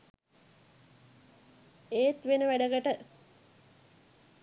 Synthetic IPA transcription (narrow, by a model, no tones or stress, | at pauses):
eːt̪ʋenəʋæɖəɡəʈə